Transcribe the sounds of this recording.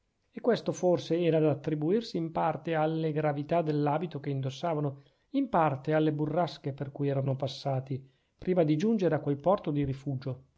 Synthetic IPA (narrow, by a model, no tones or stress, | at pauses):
ekːwest̪oforseɛːɾad̪aat̪ːɾibuirsiːmpart̪ealːeɡɾavit̪ad̪elːaːbit̪okeind̪osːaːvano | impart̪ealːeburːaskeperkujɛːɾanopasːaːt̪i | pɾiːmad̪id͡ʒund͡ʒeɾeakːwelpɔrt̪od̪iɾifuːd͡ʒo